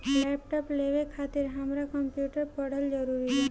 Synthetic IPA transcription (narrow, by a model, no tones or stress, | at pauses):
lɛp̚ʈɔpleʋekʰat̪iɾɦamɾakɔmpjuʈəɾpɔɽ̤əld͡ʒəɾuɾiɦe